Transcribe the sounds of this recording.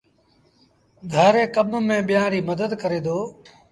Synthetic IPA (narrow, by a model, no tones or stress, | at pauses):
ɡʱaːɾeːkəmmẽːɓɪjãːɾiːməd̪əd̪kəɾeːd̪oː